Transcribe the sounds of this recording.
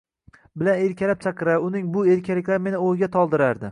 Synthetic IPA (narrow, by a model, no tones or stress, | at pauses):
bɪlane̞ɾkʲalap̚t͡ʃʰaqʰɨɾaʊnɪŋbʊeɾkʲʰalɪkʲlaɾme̞nɪojɡʲat̪ʰɒlˠd̪ɪɾaɾd̪ɪ